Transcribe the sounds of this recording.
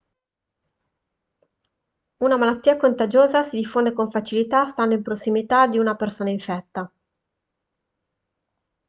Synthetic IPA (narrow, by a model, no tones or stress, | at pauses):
unamalat̪ːiːakont̪ad͡ʒoːzasid̪ifːond̪ekoɱfat͡ʃilit̪ast̪and̪oimpɾosːimit̪ad̪iunapersoːnaiɱfɛt̪ːa